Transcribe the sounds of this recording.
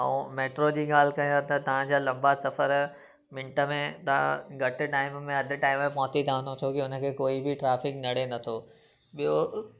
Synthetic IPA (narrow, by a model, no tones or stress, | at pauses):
ɐ̰ũmeːʈɾod͡ʑiːɠaːl̤ɪkɐj̃t̪ɐt̪ɐʋ̤ãd͡ʑaːlɐ̃mbasɐfəɾ | mɪ̃ɳʈəmẽt̪ɐ̤ã̰ɡʱɐʈ̆ʈaːɪmmẽɐd̪ʱɪ̆ʈaːɪmẽpɔ̃ɦt̪id̪ʱãːnd̪ot̪ʰokiʊnə̆kʰeːkoːibɪʈɾaːfɪknɐɽ̤enɐt̪ʰo | ɓijo